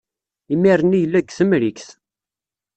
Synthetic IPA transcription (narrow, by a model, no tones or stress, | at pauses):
imiɾˤənijəlːæɡθəmɾikθ